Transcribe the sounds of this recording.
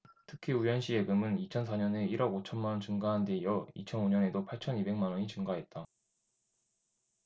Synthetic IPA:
tʰɯkʰiujʌnɕ͈ʰie̞ɡɯmɯnit͡ɕʰʌnsʰaɲʌne̞iɾʌɡot͡ɕʰʌnmanwʌnt͡ɕɯŋɡaɦande̞jʌit͡ɕʰʌnoɲʌne̞dopʰaɭt͡ɕʰʌnibe̞ŋmanwʌɲit͡ɕɯŋɡaɦe̞t̚t͈a

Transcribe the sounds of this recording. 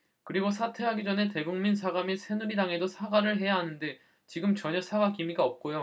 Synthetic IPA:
kɯɾiɡosʰatʰe̞ɦaɡid͡ʑʌne̞te̞ɡuŋminsʰaɡamisʰe̞nuɾidaŋe̞dosʰaɡanɯɭɦe̞jaɦanɯnde̞ | t͡ɕiɡɯmt͡ɕʌɲʌsʰaɡakimiɡaʌp̚k͈ojo

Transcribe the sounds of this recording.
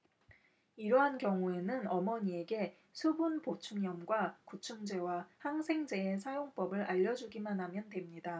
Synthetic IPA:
iɾʌɦankjʌŋue̞nɯnʌmʌɲie̞ɡe̞ | sʰubunpot͡ɕʰuŋjʌmɡwakut͡ɕʰuŋd͡ʑe̞wahaŋsʰe̞ŋd͡ʑe̞esʰajoŋp͈ʌbɯɾʔaʎːʌd͡ʑuɡimanɦamjʌndwe̞mɲida

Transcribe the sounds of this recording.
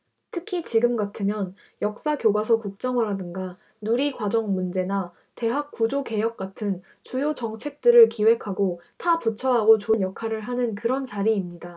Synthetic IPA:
tʰɯkʰit͡ɕiɡɯmɡatʰɯmjʌn | jʌk̚s͈akjoɡwasʰʌkuk̚t͡ɕ͈ʌŋʌɾadɯŋɡa | nuɾikwad͡ʑʌŋmund͡ʑe̞na | te̞ɦak̚k͈ud͡ʑoke̞jʌk̚k͈atʰɯn | t͡ɕujot͡ɕʌŋt͡ɕʰe̞k̚t͈ɯɾɯɭkiwe̞kʰaɡotʰaput͡ɕʰʌɦaɡot͡ɕonjʌkʰaɾɯɭɦanɯnkɯɾʌnt͡ɕaɾiːmɲida

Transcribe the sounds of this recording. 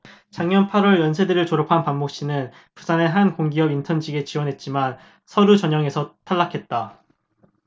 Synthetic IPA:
t͡ɕaŋɲʌnpʰaɾwʌɭjʌnsʰe̞dɯɾɯɭt͡ɕoɾʌpʰanpammok̚ɕ͈inɯn | pu̥sʰane̞ɦankoŋɡiʌbintʰʌnd͡ʑiɡe̞t͡ɕiwʌnɦe̞t̚t͡ɕ͈iman | sʰʌɾut͡ɕʌɲʌŋe̞sʰʌtʰaɭːakʰe̞t̚t͈a

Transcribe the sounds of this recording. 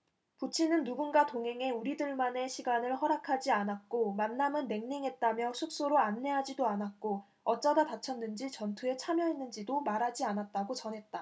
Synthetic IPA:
put͡ɕʰinɯnːuɡunɡatoŋɦe̞ŋe̞uɾidɯɭmane̞ɕʰiɡanɯɭhʌɾakʰad͡ʑianat̚k͈omanːamɯnːe̞ŋɲiŋɦe̞t̚t͈amjʌsʰuk̚s͈oɾoanːe̞ɦad͡ʑidoanat̚k͈o | ʌt͡ɕ͈ʌdatat͡ɕʰʌnːɯnd͡ʑit͡ɕʌntʰue̞t͡ɕʰamjʌɦenːɯnd͡ʑidomaɾɦad͡ʑianat̚t͈aɡot͡ɕʌnɦe̞t̚t͈a

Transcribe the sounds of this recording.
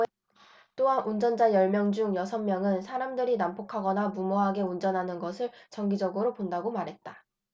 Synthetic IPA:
t͈oɦanʔund͡ʑʌnd͡ʑajʌɭmjʌŋd͡ʑuŋjʌsʰʌnmjʌŋɯnsʰaɾamdɯɾinampokʰaɡʌnamumoɦaɡe̞und͡ʑʌnɦanɯnɡʌsʰɯɭt͡ɕʌŋɡid͡ʑʌɡɯɾopondaɡomaɾɦe̞t̚t͈a

